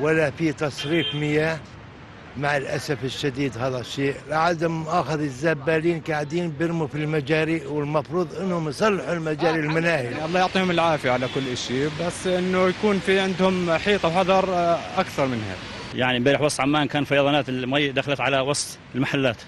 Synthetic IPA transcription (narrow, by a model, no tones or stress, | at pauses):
wɪlːafit̪ɑsˤɾiːfmɪja | maʕɪlʔa̰safɪʃːad̪iːd̪haːðaʃːeːʔlaʕad̪ʊmʔaːxɪðɪzːaːbːaːliːnkaʕd̪iːnbɪɾmufilmad͡ʒaːɾiʔwɪlmɑfɾuːðˤʔɪnːhʊmjsˤɑlːɪħulmad͡ʒaːɾilmanaːhiʔɑlˤːɑːjʊʕt̪ˤiːhʊmɪlʕaːfjaʕalakʊlːʔaʃiːbasːʔɪnːʊjakuːnfiʕɪnd̪hʊmħiːt̪ˤɑwħɑðˤɑɾˤʔakθɑɾˤmɪnha̰ːk | jaʕnibaːɾɪħwɑsˤt̪ˤʕamːaːnkaːnfɑjɑðˤɑnaːt̪ɪmajːd̪axalat̪ʕalawɑsˤt̪ˤ | ɪlmaħalːaːt̪